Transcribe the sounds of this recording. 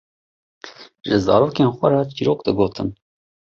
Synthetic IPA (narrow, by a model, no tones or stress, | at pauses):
ʒɨzɑ̰ːɾoːkeːnxʷɐɾɑːt͡ʃiːɾoːk̚d̪ɨɡoːt̪ʰɨn